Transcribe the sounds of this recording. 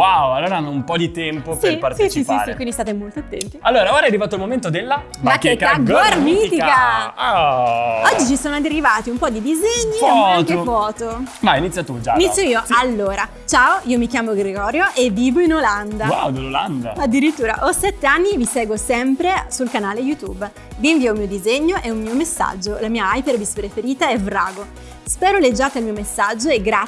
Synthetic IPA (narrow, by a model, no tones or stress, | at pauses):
waoalːoːɾaanːoumpɔd̪it̪ɛmpospeipart̪et͡ʃisisɾikkwind̪ist̪at̪emolt̪oat̪ːɛnt̪ialːoːɾaoɾajaɾivaːt̪oalmoment̪od̪elːa | mmakːekːaɡormit̪ikkaa | ɔd͡ʒːit͡ʃisoːnoad̪erivaːt̪iumpɔd̪id̪izeɲːiamatkefɔːt̪omainit̪sːjat̪ud͡ʒainit̪sːjoiːoalːoːɾa | t͡ʃaːoiːomikjaːmoɡɾeɡɔːɾjoʔevːiːvoinoland̪awad̪lola̰nd̪aad̪ːiɾit̪ːuːɾa̰ʔɔsɛt̪ːeanːivisɛːɡwosɛmpɾesulkanaːlejut̪ṵb | viːɱviːoumiːod̪izeɲːoʔeummiːomesːa̰d͡ʒːolamiːaajped̪visipɾefeɾiːt̪aɛvɾa̰ːɡo | spɛːɾoled͡ʒːaːt̪elmiːomesːad͡ʒːoeɡɾa